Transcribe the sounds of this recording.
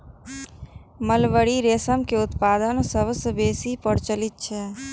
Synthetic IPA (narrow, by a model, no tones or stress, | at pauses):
məlʋəɽiɾeːsəmkeʊt̪paːd̪ənsəbsəbeːsipəɽt͡ʃəlit̪̚t͡ʃʰɛ